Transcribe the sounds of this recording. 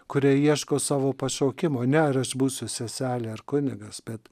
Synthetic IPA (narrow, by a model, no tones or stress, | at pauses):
kʊɾʲiɛiɛʃkoːsɑːʋoːpɐʃoːkʲɪmoːnʲɛɪɾɐʃbuːsʲʊsʲɛsʲæːlʲeːɐɾkʊnʲɪɡɐsbʲɛt̪